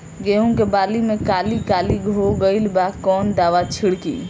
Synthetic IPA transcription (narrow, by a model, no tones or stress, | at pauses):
ɡeɦũkebalimekalikaliɡʱoɡəilbakɔnd̪aʋat͡ʃʰiɽkḭ